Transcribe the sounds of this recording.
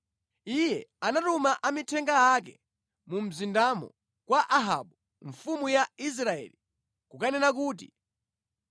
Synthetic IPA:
ijɛanatumaʔamitʰɛŋɡaak̬ɛ | mum̩zindamɔ̰ | kwaʔaɦa̰ɓu | ɱfumujais̬ɾaɛ̰ːli | kukanɛnak̬uːt̬ḭ

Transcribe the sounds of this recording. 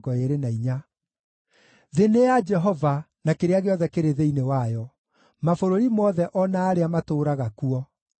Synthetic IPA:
ɡɔeɾenaiɲa | ðenead͡ʒɛɦɔva | nakeɾeaɣeɔðɛkeɾeðeinewajɔ | mafoɾoɾimɔðɛʔɔnaːɾeamatoːɾaɣakuɔ

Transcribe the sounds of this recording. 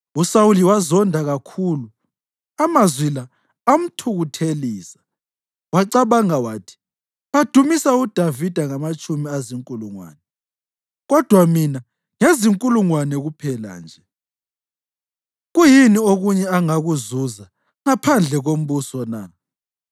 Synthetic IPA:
usawuliwazɔndʱaɣakʰulu | amazwilaː | m̩tʰuɣutʰeliːsḁ | waǀaβaŋawaːtʰi̥ | ad̥ʱumisaud̥ʱavid̥ʱaŋamat͡ʃʼumiaziŋkʼuluŋwa̰ːnɛ | ɣɔd̥ʱwamina | ŋeziŋkʼuluŋwanɛɣupʰɛla̰nd͡ʒʱɛ | ɣujinioɣuɲɛaŋaɣuzuza | ŋapʰand͡ɮʱɛɣom̩βusɔna̰

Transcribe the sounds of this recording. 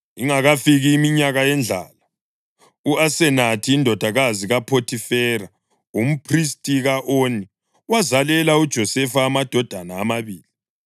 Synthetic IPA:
iŋaɣafiɣiːmiɲaɣajɛnd͡ɮʱa̰ːla | uasɛnatʰiːndʱɔd̥ʱaɣaziɣapʰotʰifɛra | um̩pʰris̬tʼiɣaʔoːni | wazalɛlaud̥ʒ̥ʱɔsɛfaːmad̥ʱɔd̥ʱanaːmaβiːli

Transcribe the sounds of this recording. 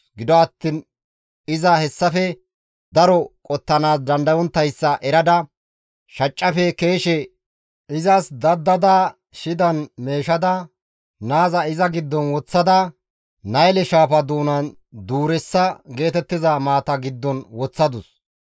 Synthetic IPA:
ɡɪd̪ɔɐt̪ːiːn | ɪzɐhɛsːɐfɛ | d̪ɐɾɔkʼɔt̪ːɐnaːsd̪ɐnd̪ɐwɔnt̪ːɐjsːɐʔɛɾɐd̪ɐ | ʃɐt͡ʃʼːɐfɛkeːʃɛ | ɪzɐsd̪ɐd̪ːɐd̪aː | ʃɪd̪ɐnme̞ːʃɐd̪ɐ | naːzɐɪzɐɡɪd̪ːɔnwɔt͡sːɐd̪ɐ | nɐjlɛʃaːfɐd̪uːnɐn | d̪uːɾɛsːɐɡe̞ːt̪ɛt̪ːɪzɐmaːt̪ɐɡɪd̪ːɔnwɔt͡sːɐd̪ʊs

